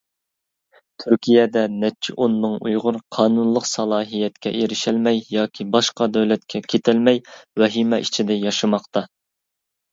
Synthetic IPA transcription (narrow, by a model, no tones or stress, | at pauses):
t̪ʰyɾkʲʰijɛd̪ɛnɛt͡ʃʰɪʔonːɨŋujʁʊɾqʰɑːnunlˠəqsɑlˠɑːɦijɛt̪̚kʲɛ̰ʔeɾɪʃɪlmɛjjɑːkʲʰibɑʃqɑd̪ɛwlɛt̪̚kʲʰɛkʲʰet̪ʰɪlmɛjwɛɦimɛʔit͡ʃʰid̪ɛjɑʃɨmɑqt̪ɑ